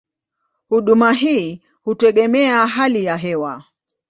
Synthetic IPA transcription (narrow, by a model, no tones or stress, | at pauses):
huɗumaɦiː | hutɛɠɛmɛaɦalijaɦɛwa